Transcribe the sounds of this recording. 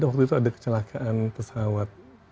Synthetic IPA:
daʔwak̚t̪uit̪uadakə̥t͡ʃəlakʰaʔanpəsawat̪̚

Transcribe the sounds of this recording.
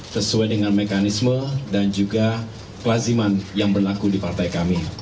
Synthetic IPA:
səsuajdəŋanmekanismədand͡ʒuɡa | klazimanjaŋbərlakudipart̪ajkami

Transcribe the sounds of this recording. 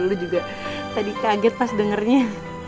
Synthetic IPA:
ulud͡ʒuɡa | t̪adikaɡɛt̪̚masdəŋərɲa

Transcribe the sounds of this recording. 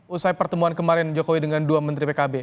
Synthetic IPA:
usajpərt̪əmuankəmaɾɪnd͡ʒokowidəŋanduamənt̪ɾipekabe

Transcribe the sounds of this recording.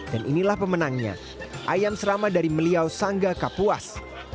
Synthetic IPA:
danʔḭnilahpəmənaŋɲa̰ | ʔajamsəɾamadaɾiməliawsaŋɡakapuas

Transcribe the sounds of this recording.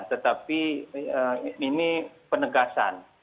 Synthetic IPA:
nt̪ət̪apiəinipənəɡasa̰n

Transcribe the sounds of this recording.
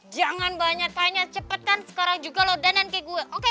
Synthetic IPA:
d͡ʒaŋanbaɲak̚t̪aɲat͡ʃəpət̪ansə̥kaɾaŋd͡ʒuɡalodanankeɡuɛʔoke

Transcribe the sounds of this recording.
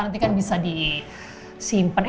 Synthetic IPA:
nant̪ikanbisadi | simpən

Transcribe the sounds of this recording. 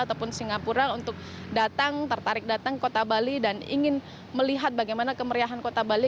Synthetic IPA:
at̪awpʊnsiŋapuɾaunt̪ʊk̚dat̪aŋt̪ərt̪aɾɪk̚dat̪aŋkot̪abalidanḭŋɪn | məliɦat̪̚baɡajmanakəməɾiaɦankot̪abali

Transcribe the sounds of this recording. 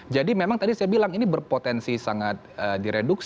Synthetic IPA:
d͡ʒadimemaŋt̪adisajabilaŋinibərpot̪ɛnsisaŋat̪̚ədiɾeduks

